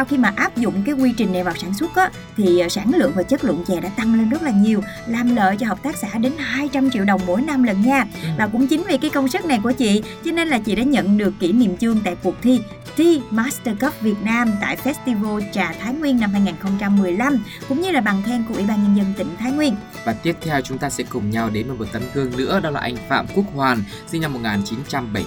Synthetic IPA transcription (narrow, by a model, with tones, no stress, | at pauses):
sa˧wxi˧maː˨˩ʔaː˦˥p̚zʊ̰˧˨ŋ͡mkaː˨˦jkwi˧t͡ɕï˨˩ŋna˨˩vaː˨˩wsaː˧˩nswə˦˥t̚ʔaː˨˦ | t̪ʰi˨˩˨saː˧˩nlɨ̰˧˨əŋvaː˨˩t͡ɕə˦˥t̚lɨ̰˧˨əŋt͡ɕɛ˨˩ɗa̰ː˧˥t̪a˧ŋle˧nzə˦˥t̚laː˨˩ɲi˨˩əw | laː˨˩mlə̰ː˧˨jt͡ɕɔ˧ɦə˨˩k͡p̚t̪aː˦˥k̚sa̰ː˧˩˥ɗe˨˦nɦaː˧jt͡ɕa˧mt͡ɕḭ˧˨əwɗə˨˩wŋ͡mmo˨˦jna˧mlə˨˩nɲaː˧vaː˨˩kʊ̰˧˥ŋ͡mt͡ɕï˨˦ŋ̟vi˨˩kaː˨˦jkə˧wŋ͡msɨ˦˥k̚na˨˩jku˧˩ət͡ɕḭ˧˨t͡ɕɔ˧ne˧nlaː˨˩t͡ɕḭ˧˨ɗa̰ː˧˥ɲə̰˧˨nɗɨ˨˩əkːḭ˧˩˥nḭ˧˨mt͡ɕɨ˧əŋt̪a̰ː˧˨jku˨˩ək̚t̪ʰi˧ | t̪i˧maː˦˥st̪əː˧kə˦˥p̚vi˨˩ət̚naː˧mt̪a̰ː˧˨jfɛ˦˥s̚t̪i˧vo˧t͡ɕaː˨˩t̪ʰaː˨˦jŋwi˧ənːa˧mɦaː˧jŋaː˨˩nxə˧wŋ͡mt͡ɕa˧mːɨ˨˩əjla˧mkʊ̰˧˥ŋ͡mɲɨ˧laː˨˩ɓa˨˩ŋt̪ʰɛ˧nku˧˩ʔwi˧˩˦ɓaː˧nɲə˧nzə˧nt̪ï˧˩ŋ̟t̪ʰaː˨˦jŋwi˧ən | vaː˨˩t̪i˦˥ət̚t̪ʰɛ˧wt͡ɕʊ˨˦ŋ͡mt̪aː˧sɛ̰˧˥kʊ˨˩ŋ͡mɲa˧˩wɗe˨˦nməː˨˩mo˨˩t̚t̪ə˧mkɨ˧əŋnɨ̰˧˥əɗɔ˨˦la̰ː˨˩ʔa˧jŋ̟fa̰ː˧˨mku˦˥ək̚hwaː˨˩n | si˧ŋna˧mːo˨˩t̚ŋaː˨˩nt͡ɕi˨˦nt͡ɕa˧mɓə˨˧˩j